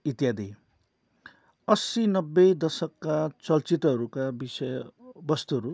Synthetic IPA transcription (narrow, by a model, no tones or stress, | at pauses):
it̪jad̪ʱi | ʌsinʌbːʌd̪ʌsʌkːat͡sʌlt͡sit̪ʌɦʌɾukabisʌjbʌst̪uɦʌɾu